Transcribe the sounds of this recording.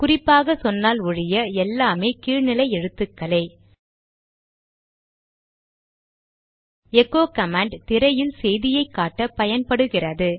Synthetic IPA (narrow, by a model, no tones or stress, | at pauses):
kʊrɪpːaːɣɐsɔnːaːlʊɻɪjɐɛlːaːmeːkiːɻnɪlɐɪɛɻɯt̪ːɯkːɐlɐɪ | ɛkːoːkɐmaːɳɖt̪ɪɾɐjɪlsɛjðɪjɐɪkːaːʈːɐpɐjɐnpɐɽɯɣɪrɐðɯ